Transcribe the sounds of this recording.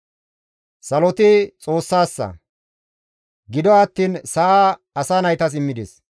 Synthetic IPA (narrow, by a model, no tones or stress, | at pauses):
sɐlɔt̪ɪt͡sʼo̞ːsːaːsːɐ̰ | ɡɪd̪ɔɐt̪ːiːnsɐʔaː | ɐsaːnɐjt̪ɐs̬ɪmːɪd̪ɪs